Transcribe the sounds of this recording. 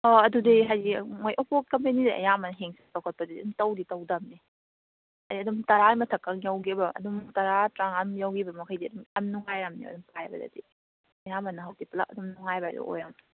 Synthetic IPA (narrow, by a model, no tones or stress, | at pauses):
ɔɐdudejɦajdimojʔopʰokɐmpenidḛʔɐ̰jamanɦeŋsitawkʰɐt̚pɐdadḭumtɐwditɐwdɐmni | hajdiɐdumtɐɾamɐtʰɐkːaŋjawɡiɐbɐɐ̰dumtɐɾatɾaŋɐmjawɡibɐmɐkʰajdiɐdumɐmnuŋajɾamnio̰ɐ̰dumpʰajbɐ̰dɐ̰dḭ | ɐjamanːɐɦawtipɐla̰k̚ɐdumnuŋajbajdṵʔo̰jam